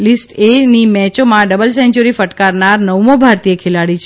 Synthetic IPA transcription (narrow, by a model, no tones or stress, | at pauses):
lisʈenimɛt͡ʃomãɖəbəlsɛ̃nt͡ʃuɾifəʈkaɾnaɾnəwmõbʱaɾt̪iekʰelaɽit͡ʃʰ